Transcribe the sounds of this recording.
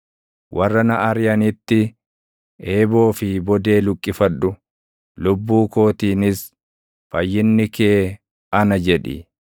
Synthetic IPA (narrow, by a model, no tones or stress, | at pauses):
wʔɐrːɐnɐʔɐɾjɐnɪt̪ːɪ | e̞ːbo̞ːfɪbɔd̪e̞ːlʊkʼːɪfɐᶑʊ | lʊbːuːko̞ːt̪iːnɪs | fɐjːɪnːɪke̞ː | ɐnɐd͡ʒɛᶑɪ̰